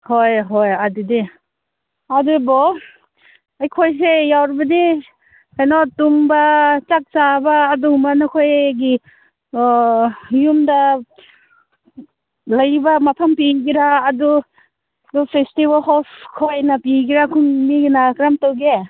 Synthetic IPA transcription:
hojɦojadudi | adubɔ | ajkʰojs̬ejawɾibadi | ajnɔtuŋbat͡ʃak̚t͡ʃabaːduŋmanɔkʰojɡi | jumda | lajbamapʰampiɡiɾaːdu | dupʰestiβalhɔpkʰojnapiɡiɾakʰuŋmiɡinakɾamtawɡe

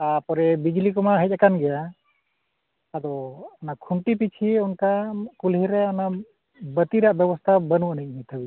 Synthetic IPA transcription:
apɔɾɛbid͡ʒlikɔmaɦəc̚akanɡɛja | ad̪ɔanakʰuɳʈip̬it͡ʃʰieunkakulɦiɾɛana | bət̪iɾaʔbɛbɔst̪ʰabənuʔənic̚mɛt̪ʰəbi

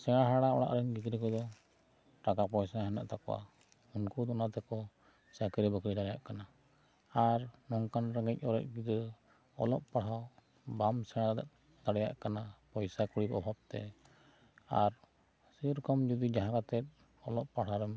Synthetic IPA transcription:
sɛɽ̃aɦaɽaɔɽa̰ʔɾɛmɡiɡ̪ɾɛkɔd̪ɔ | ʈakapɔjsaɦɛna̰ʔt̪akɔwa̰ | unkud̪ɔnat̪ɛkɔ | sakɛɾibəkɽid̪aɽɛjaʔkana | aɾnɔŋkanɾaɡɛc̚ˀɔɾɛ̰c̚ɡid̪ɾɛ | ɔ̰lɔ̰ʔpaɽ̤aw | bamsɛɽ̃ad̪ɛʔ | t̪aɽɛja̰ʔkanapɔjsakuɽibɔ̰bʱab̚t̪ɛ̰ | a̰ɾ | siɾkɔmd͡ʒɔd̪id͡ʒaɦãkat̪ɛt̪̚ | ɔlɔʔpaɽ̤aɾɛm

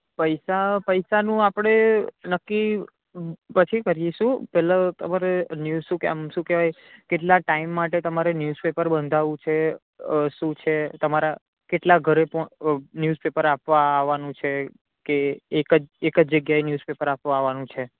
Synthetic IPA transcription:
pəjsapəjsanũapəɽ̃enəkːi | pət͡ʃʰikəɾjeʃũpɛɦlat̪əmaɾenjuzʃũkea̰mʃũkeʋaj | keʈlaʈaimːaʈet̪əmaɾenjuzpepəɾbənd̪ʱaʋũt͡ʃʰe | ʃũt͡ʃʰet̪əmaɾa | keʈlaɡʱəɾepɔnjuzpepəɾapʋaːʋanũt͡ʃʰe | keːkəd͡ʒekəd͡ʒd͡ʒəɡjaenjuzpepəɾapʋaaʋanũt͡ʃʰe

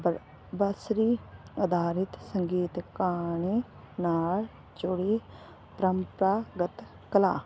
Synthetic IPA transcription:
b | bəsɾiːəd̪aːɾɪt̪səŋɡiːt̪kaːne | naːl | t͡ʃʊɽe | pɾəmpɾaːɡət̪ | kəla̰ː

